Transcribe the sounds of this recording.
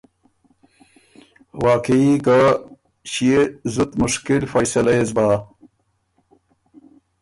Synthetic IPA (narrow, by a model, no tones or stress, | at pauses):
waːkeika | ɕiezut̪mʊʂkilfajsɐlajezbaː